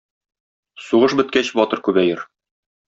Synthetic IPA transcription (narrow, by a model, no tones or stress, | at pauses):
suʁɤʃbɘ̆t̪̚kæɕbɒt̪ɤɾkʉbæjɘɾ